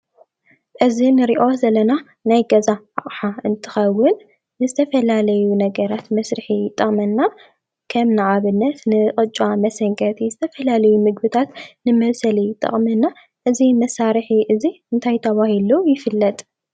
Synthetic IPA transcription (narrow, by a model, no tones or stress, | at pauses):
ʔɨzinɨɾiʔo̞zɐlɐna | najɡɐzaʕa̰χʼħaɨnt̪ʰɨ̥xɐwːʊnː | ɨzɨt̪ʰɐfɐlalɐjunɐɡɐɾat̪mɐsɾɨħit̪ʼɐχʼmɐnːa | kʰɐmnɨʕaβɨnːɐt̪nɨχʼɨt͡ʃʼamɐsɐŋkʼɐt̪ʰizɨt̪ʰɐfɐlalɐjumɨɡ̚bɨt̪ʰat̪nɨmɐβsɐlit̪ʼɐ̰χʼmɐnːa | ʔɨzimɐsaɾħiʔɨziɨnt̪ʰajt̪ʰɐβahilujɪfɨlːɐt̪ʼ